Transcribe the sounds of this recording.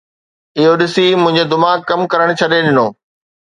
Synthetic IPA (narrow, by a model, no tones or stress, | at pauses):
ɪɦoɗɪsimʊ̃ɦɪ̃ɲd͡ʑed̪ʊmaːkkːɐmkɐɾəɽ̃t͡ɕʰɐɗeɗɪnoː